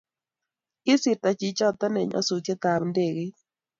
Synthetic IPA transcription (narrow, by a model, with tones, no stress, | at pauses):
ɪ˦sɪ˨ɾt̪a˨t͡ʃi˨t͡ʃɔ˦˨t̪ɔ˦nɛ˨ɲɔ̰˦su˨kɛ˦t̪a˨bnde˨ɣe˦